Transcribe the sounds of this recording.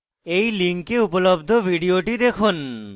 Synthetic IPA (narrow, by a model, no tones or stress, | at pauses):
ejliŋkeupolobd̪ʱobʱiɖioʈid̪ekʰun